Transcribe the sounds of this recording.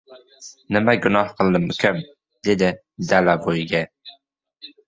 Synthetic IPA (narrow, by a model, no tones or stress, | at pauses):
nɪmæɡʊnɑhqʰəlˠd̪ɪmykʲʰæm | d̪̥ed̪ɪ | d̪ælabojɡʲɛ